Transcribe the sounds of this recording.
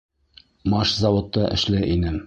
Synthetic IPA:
mɑʃzɑwŏt̪ːɑʔɘ̰̆ʃlæʔinɘm

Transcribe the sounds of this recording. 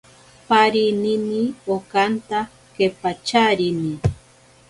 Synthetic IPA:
paɾininiokant̪a | kepat͡ʃaɾini

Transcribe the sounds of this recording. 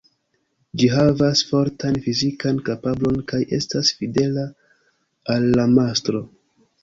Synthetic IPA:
d͡ʒiɦavasfo̞ɾtanfizikankapablo̞nkajʔe̞̰stasfide̞la | alːamastɾo̞

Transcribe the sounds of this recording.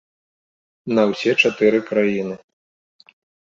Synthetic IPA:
nɐwsʲɛt͡ʂat̪ɨɾɨkɾajinɨ

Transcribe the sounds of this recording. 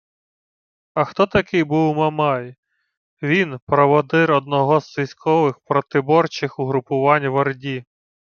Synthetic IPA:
ɐxt̪ɔt̪ɐkɪjbuwmɐmɑj | ʋʲinpɾɔʋɔd̪ɪɾɔd̪nɔɦɔzʋʲisʲkʰɔʋɪxpɾɔt̪ɪbɔrt͡ʃɪxʊɦɾʊpʊʋɑnʲʋɐrdʲi

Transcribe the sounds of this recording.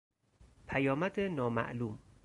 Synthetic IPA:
pʰæjɒːmæd̪enɒːmæ̰ʔluːm

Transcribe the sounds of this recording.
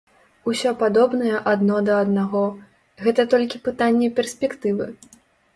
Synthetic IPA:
usʲɔpad̪ɔbnɐjɛʔad̪nɔd̪ɐːd̪naɣɔ | ɣɛt̪ɐt̪ɔlʲkʲipɨt̪anʲːɛpʲɛrsʲpʲɛkt̪ɨvɨ̰

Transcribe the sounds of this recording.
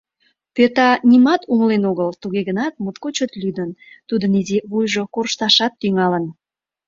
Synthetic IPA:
pet̪ɑnʲimɑt̪uŋəlenoɣəlt̪uɣeɣənɑt̪̚mut̪kot͡ɕət̪lʲyd̪ənt̪ud̪ənizeβujʒokorʃt̪ɑʃɑt̪ːyŋɑlən

